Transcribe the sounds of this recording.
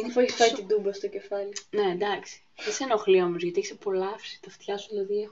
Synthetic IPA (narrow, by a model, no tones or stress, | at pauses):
inepoifɐit̪id̪umbɐst̪oce̞fɐline̞nd̪ɐksi̥iseno̞xlio̞mozʝɐt̪ieçi̥sepo̞lɐfsi̥t̪ɐft̪çɐsuðelɐðiex